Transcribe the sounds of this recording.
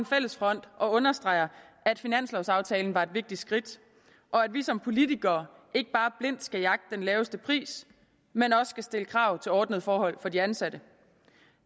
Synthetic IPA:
enfel̰əsfʁɒ̽n̰d̥ʔɒ̽ɔ̽nɐsd̥ʁɑ̈ɪɐ | æd̥finæn̰slɒʊsɑ̈ʊt͡sʰɛːln̩ʋɑ̈e̝d̥ʋe̝ɡ̥̚d̥id̥sɡ̥ʁid̥ | ʔɒ̽æd̥ʋisɒ̽mpʰo̝lit͡siɡ̥ɐːe̝ɡ̥əb̥ɑ̈ːb̥le̝n̰d̥sɡ̥æjɑ̈ɡ̥d̥ə̥d̥enlɛːʊəsd̥əpʰʁḭːs | menɒ̽sːɡ̥æsd̥e̝ləkʰʁɑ̈ʊ̰t͡sʰe̝lɒːd̥nəð̞̩ˠfɒːhɒ̽l̰fɒ̽diænsæd̥ə

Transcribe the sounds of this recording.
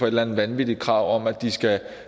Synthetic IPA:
fɒ̽e̝d̥læn̩ʋænʋid̥ikʰʁɑ̈ʊ̰ɒ̽m̰æd̥isɡ̥æ

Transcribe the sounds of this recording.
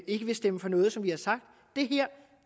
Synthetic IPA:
e̝ɡ̥əʋe̝sd̥eməfɒ̽nɔ̽ːð̞̩ˠsɒ̽mʋihɑ̈sɑ̈ɡ̥̚d̥ːe̝ɦæɐ̰

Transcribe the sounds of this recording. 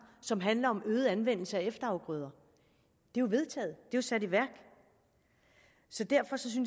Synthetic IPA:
sɒ̽mɦænlɐɒ̽mʔøːð̩ˠænʋen̰l̩səæefd̥ɐɑ̈ʊɡ̥ʁœːð̞ˠɐ | d̥ejoʋe̝ð̞ˠt͡sʰɛ̰ːð̞̩ˠd̥e̝josæd̥iʋæɐ̰ɡ̥ | sɒ̽d̥æɐ̰fɒ̽sɒ̽s̬yn

